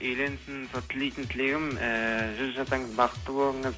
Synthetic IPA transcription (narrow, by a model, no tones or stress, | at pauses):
ejle̞nsɪnsot̪ʰːɪlejt̪ɪnt̪ʰɪleɡʲɪməʒʏzʒɑsɑɴəzbɑqə̥t̪ːəbolˠəɴəz